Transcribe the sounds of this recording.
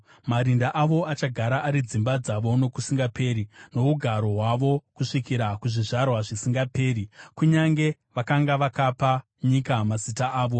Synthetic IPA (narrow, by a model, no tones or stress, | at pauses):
maɾindaʔaʋo̞at͡ʃaɡʱaɾaʔːɾid͡zimbad͡zaʋo̞no̞kusiŋɡapʰe̞ːɾino̞uɡʱaɾo̞ɦwaʋo̞kuʂikiɾakuʐiʐarwaʐisiŋɡape̞ːɾikuɲaŋɡe̞ | ʋakaŋɡaʋakapa | ɲikamasitaʔaːʋo̞